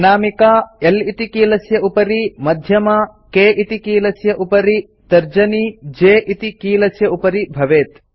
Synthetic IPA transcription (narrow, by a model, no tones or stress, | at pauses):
naːmikaːelit̪ikiːlɐsjɐʔupɐɾimɐd̪ʱjɐmɐkeːʔit̪ikiːlɐsjɐʔupɐɾi | t̪ɐɾd͡ʒɐnid͡ʒeːʔit̪ikiːlɐsjɐupɐɾibʱɐʋeːt̪